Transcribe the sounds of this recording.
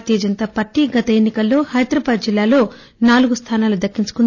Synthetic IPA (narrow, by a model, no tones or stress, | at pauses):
t̪ijɐd͡ʒɐnt̪aːpaːɾʈiɡɐt̪ɐenːikɐlːo̞ːhɐjɐd̪ɾɐbaːd̪̚d͡ʒilːaːlo̞ː | naːluɡust̪ʰaːnaːlud̪ɐkːiɲt͡ʃu̥kun